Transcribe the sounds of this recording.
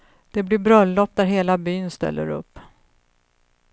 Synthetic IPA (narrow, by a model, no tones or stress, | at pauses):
d̪̥ɛblɪbɾœlːɔpːd̪æɾɦeːlabyːnst̪ɛ̰lːə̰ɾɵ̰pː